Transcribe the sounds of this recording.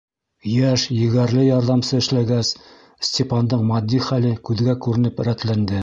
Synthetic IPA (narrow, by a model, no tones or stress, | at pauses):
jæʃjɘ̆ɡæɾlɘjɑɾðɑmsɤɘ̆ʃlæɡæs | sʲtʲepɑnd̪ɤɴmɑd̪ʲːiχælɘkʉðɡækʉɾɘ̆nɘpɘ̆ɾæt̪lænd̪ɘ